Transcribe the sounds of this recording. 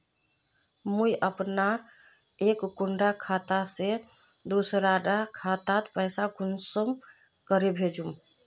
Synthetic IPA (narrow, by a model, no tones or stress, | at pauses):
mujʔəpna | ekːuɳɖakʰat̪ase | d̪usɾaɖakʰat̪at̪pəjsaɡʱunsəm | kəɾebʱed͡ʒum